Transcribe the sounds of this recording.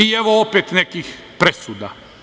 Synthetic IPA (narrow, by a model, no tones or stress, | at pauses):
ieʋoopet̪nekix | pɾesuːd̪a